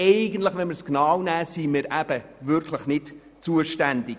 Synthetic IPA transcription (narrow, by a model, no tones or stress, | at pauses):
ɛɪɡən̩t̪ləχvʋɛnməɾsknawnæːsimɪɾʔæb̥əvʏɾkʰləχnɪt | t͡suəʃtændɪk